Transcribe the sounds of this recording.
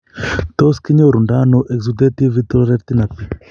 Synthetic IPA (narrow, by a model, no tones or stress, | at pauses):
t̪ɔskiɲoɾundanɔʔɛkzut̪et̪ivit̪ɔɾɛɾt̪inapi